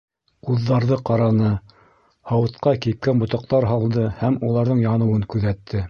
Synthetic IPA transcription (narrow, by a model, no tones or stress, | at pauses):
quðːɑɾðɤqɑɾɑnɤ | hɑwɤ̆t̪qɑkip̚kænbŏt̪ɑq̚t̪ɑɾɦɑlˠd̪ɤhæmulˠɑɾðɤɴjɑnɤ̆wɤŋkʉðæt̪ʰːɘ